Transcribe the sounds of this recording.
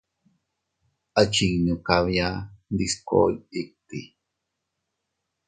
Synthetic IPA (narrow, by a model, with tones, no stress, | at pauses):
at͡ʃi˨ŋɲũ˨ka˧βja˦nd̪isko̰˦ii˦k̚t̪i˨